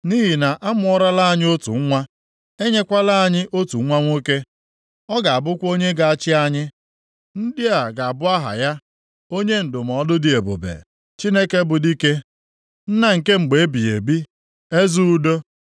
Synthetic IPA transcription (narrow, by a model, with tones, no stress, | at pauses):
ni˦ɦi˨na˨ʔa˦mʊ˦˨ɔ˦ɾa˦la˦a˨ɲɪ˦o˦tṵ˨ŋ̩˦ŋʷa˦ | e˦ɲe˦kʷa˦la˦a˨ɲɪ˦ʔo˦tu˨˦ŋʷa˦ŋʷo˦ke˦ | ɔ˦ɡa˨a˨bʊ˦kʷo˦ɲe˦ɡa˨a˨t͡ʃɪ˦a˦ɲɪ˦ | n̩˦dɪ˦a˨ɡa˨a˨bʊ˦a˦ɦa̰˨ja˦ | o˦ɲe˦n̩˨dʊ˨m̩˨ɔ˨dʊ˦dɪ˨e˨bo̰˨bḛ˨ | t͡ʃi˦ne˦ke˦bʊ˨di˦ke˦ | n̩˦na˦ŋ̩˨ke˦ŋ͡m̩˨ɡ͡be˨e˦bi˨e˨bi˦ | e˦zu˦u˦do˦